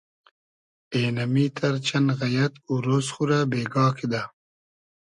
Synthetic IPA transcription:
eːnɐmiːt̪ʰɐɾt͡ʃanɣɐjɐt̪uɾoːsxuɾabeːɡɑːkʰid̪a

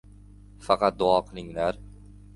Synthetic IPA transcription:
fɑqʰɑt̪̚d̪ʊɒqʰlɪŋlaɾ

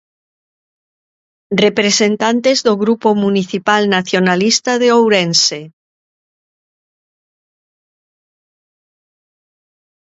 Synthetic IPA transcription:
repɾesent̪ant̪ezðoɣɾupomuniθipalnaθjonalist̪aðeowɾense

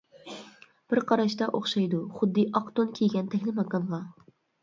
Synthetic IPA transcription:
b̥ɪɾqʰɑɾɑʃt̪ɑʔoχʃɑjd̪uχʊd̪ːɨʔɑqt̪onkʲʰeɡʲɛnt̪ʰɛkʲlɪmɑkɑnʁˠɑ

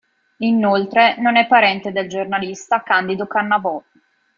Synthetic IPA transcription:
inolt̪ɾenonɛpːaɾɛnt̪ed̪eld͡ʒornalist̪akand̪id̪okanːabɔ

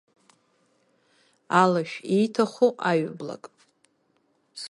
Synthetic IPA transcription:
alaʃᶣejtʰaχoʔaɥbla̰kʼ | s

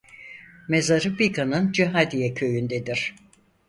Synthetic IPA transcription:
mezaɾɯbikʰanɯnd͡ʒiɦad̪ijɛcʰø̞jynd̪ɛd̪iɾ̥

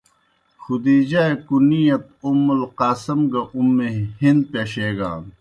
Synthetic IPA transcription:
xud̪iːd͡ʑaːekunijɐt̪̚umːulqaːsɐmɡɐʔumːehind̪̚peːɕeːɡa̰ːn

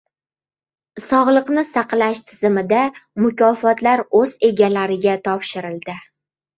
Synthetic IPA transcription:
sɒʁlˠɨqnɪsaqlaʃt̪ʰɪz̥ɪmɪd̪amʊkʲʰɒfɒt̪laɾɵze̞ɡʲalaɾɪɡʲat̪ʰɒpʃɪɾɪlˠd̪ɪ

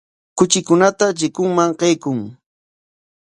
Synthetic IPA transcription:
kʊt͡ʃɪkʊnat̪at͡ʃɪkʊŋmaŋqejkʊŋ

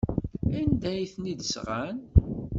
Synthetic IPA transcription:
ænd̪æjθnid̪əsʁæn

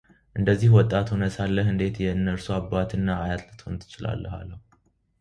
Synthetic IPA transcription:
ʔɨnd̪əzːihwɔt̪ʼːat̪ʰunəsalːəɦɨnd̪e̞t̪jɛɨnːəɾsuabːat̪ʰɨnːaːjat̪lɨt̪ʰont̪ʰɨ̥t͡ʃɪla̰lːəha̰lːəhu

